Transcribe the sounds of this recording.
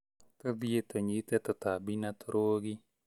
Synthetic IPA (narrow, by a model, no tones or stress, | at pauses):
t̪ɨðiet̪oɲit̪et̪ot̪abinat̪oɾoɡi